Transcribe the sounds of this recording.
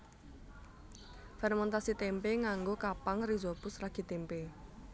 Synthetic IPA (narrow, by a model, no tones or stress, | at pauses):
fɛrmɛnt̪asit̪empeŋaŋɡokapaŋrizopʊsraɡ̥i̤t̪empe